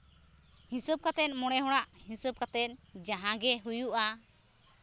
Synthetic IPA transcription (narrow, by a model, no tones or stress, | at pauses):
hĩsəb̚kat̪ɛt̪̚ˀmɔɽ̃ɛɦɔɽ̃aʔhĩsəb̚kat̪ɛt̪̚d͡ʒaɦãɡɛɦujuʔa